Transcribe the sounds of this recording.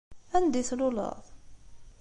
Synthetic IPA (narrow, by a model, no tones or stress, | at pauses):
ænd̪iθlʊlə̰ðˤ